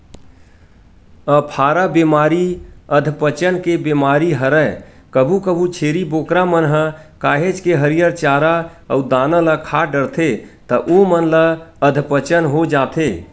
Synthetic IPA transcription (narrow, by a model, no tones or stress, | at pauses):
əpʰaːɾabemaːɾiəd̪ʱpət͡ʃənkebemaːɾiɦəɾə | kəbʱukəbʱut͡ʃʰeːɾiboːkɾamənɦə̃kaːɦed͡ʒkeɦəɾijəɾt͡ʃaːɾaəud̪aːnələkʰaːɖəɾt̪ʰet̪əʔomənləəd̪ʱpət͡ʃənɦod͡ʒaːt̪ʰeː